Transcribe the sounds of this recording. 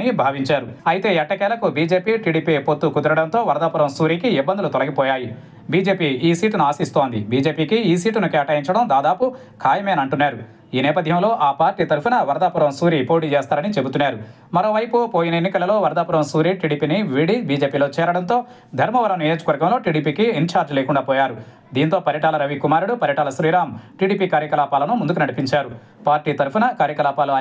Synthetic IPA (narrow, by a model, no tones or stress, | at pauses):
nibʱaːʋiɲt͡ʃaːɾuɐjit̪e̞ːɛʈːɐkɛːlɐkubiːd͡ʒe̞ːpiːʈiːɽiːpipot̪ːukud̪ɐɾɐɽɐnt̪o̞ːʋɐɾɐd̪aːpuɾɐmsuːɾiːkiibːɐnd̪ulut̪ɔlɐɡipɔːjaːji | biːd͡ʒeːpiiːsiːʈunuaːsist̪oːnd̪ḭbʱiːd͡ʒe̞ːpiːkiiːsiːʈunukɛːʈɐjiɲt͡ʃɐɽɐmd̪aːd̪aːpu | kʰaːjɐmeːnɐɳʈunːaːɾu | iːnɛːpɐd̪ʱjɐmlo̞ːʔaːpaːɾʈiːt̪ɐɾupunɐʋɐɾɐd̪aːpuɾɐmsuːɾipo̞ːʈ̬iːt͡ʃɛːst̪aːɾɐnit͡ʃe̞but̪unːaːɾu | mɐɾo̞ːʋɐjpupoːjinɐenːikɐlɐlo̞ːʋɐɾd̪aːpuɾɐmsuːɾiʈiːɽiːpiːniʋiɽibiːd͡ʒeːpiːloːt͡ʃɛːɾɐɽɐnt̪o̞ː | d̪ʱɐɾmɐʋɐɾɐnijoːd͡ʒɐkʋɐɾɡɐmlo̞ːʈiːɽiːpiːkiːɲt͡ʃaːɾd͡ʒleːkuɳɖaːpɔːjaːɾu | d̪iːnt̪o̞ːpɐɾjɐʈaːlɐɾɐʋikumaːɾuɽupɐɾjɐʈaːlɐsɾiːɾaːmʈiːɽiːpikaːɾjɐkɐlaːpaːlɐnumund̪ukunɐɽipiɲt͡ʃaːɾu | paːɾʈiːt̪ɐɾpunɐkaːɾjɐkɐlaːpaːlu